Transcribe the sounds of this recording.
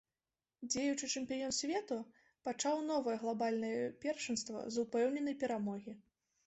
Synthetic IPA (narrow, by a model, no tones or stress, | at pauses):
d͡zʲejut͡ʂɨt͡ʂɨmʲpʲijɔnsʲvʲɛt̪u | pat͡ʂawn̪ɔvɐjɐɣlˠabalʲnɐjɛpʲɛrʂɨnst̪vɐ̰zupɛwnʲɛnɐjpʲɛɾamɔɣʲi